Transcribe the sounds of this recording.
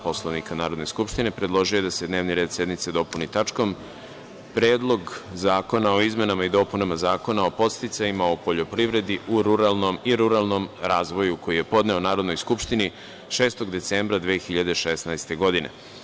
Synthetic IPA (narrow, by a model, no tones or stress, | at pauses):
po̞slˠoʋnikanaːɾod̪neskupʃt̪ine̞pɾed̪lˠo̞ʒijoje̞d̪ase̞d̪ne̞ːʋniɾe̞ːd̪sje̞d̪nit̪se̞d̪o̞punit̪at͡ʂko̞m | pɾe̞ːd̪lˠo̞ɡzaːko̞nao̞izme̞namaid̪o̞ːpunamazaːko̞nao̞po̞t̪st̪it̪sajimaopo̞ʎo̞pɾiʋɾe̞d̪iʔuɾuɾalˠno̞miɾuɾalˠno̞mɾaːzʋo̞juko̞jije̞po̞d̪ne̞onaːɾo̞d̪no̞jskupʃt̪ini | ʃe̞ːst̪o̞ɡd̪e̞t̪sembɾad̪ʋeːxiʎad̪e̞ʃesnajst̪e̞ɡo̞d̪inḛ